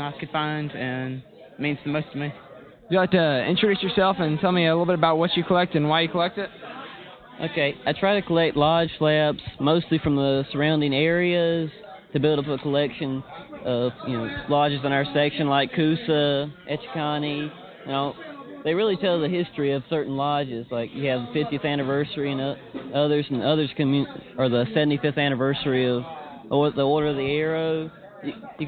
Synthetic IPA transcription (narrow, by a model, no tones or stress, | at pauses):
nat̚kʰɨd̥fãɪ̃ndɨ̃n | mĩnz̥ðɨmoʊstʌvmi | jɨɡɑtɨɪ̰̃nt͡ʃɹ̥ɨdʉsjə˞sɛlˠfɨ̃ntʰɛlˠmiɨlɪɾl̩ˠbɪɾəbaʊt̚wʌt͡ʃɨkʰəlɛk̚tɨ̃nwaɪjɨkʰəlɛk̚tɨt̚ | ʔo̰ʊkʰeɪaɪtʰɹ̥aɪɾɨkʰəlɛk̚tˡlɑd̥ʒ̥slæbsmoʊstˡlifɹʌ̃mðəsə˞ãʊ̃ndɪ̃ŋɛɹiɨz̥tʰɨbɪlˠɾʌpəkʰəlɛkʃɨ̃nʔʌvjɨnoʊlɑd͡ʒɨzɨ̃n̩aʊə˞sɛkʃɨ̃nlaɪkʰːʉsəʔɛt͡ʃkʰɑni | naʊðeɪɹɪlˠitʰɛlˠzɨɦɪstɹ̥iʌv̥sɜ˞ʔn̩lɑd͡ʒɪzlaɪkjɨːvfɪftiɨθæñɨvɜ˞sə˞iɨ̃nʌʌðə˞zn̩ʌðə˞z̥kɨmjə˞ðəsɛvn̩tifɪfθæñɨvɜ˞sə˞iʌv | ɔðiɔɹɾə˞ʌvðiɛɹoʊ | jɨjɨ